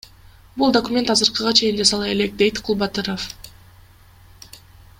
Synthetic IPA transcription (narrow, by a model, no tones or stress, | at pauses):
bulˠd̪okumʲe̞nt̪ɑzɯɾqɯʁɑt͡ʃʰe̞jind͡ʒɑsɑlˠɑe̞le̞k̚d̪e̞jt̪qʰulˠbɑt̪ɯɾof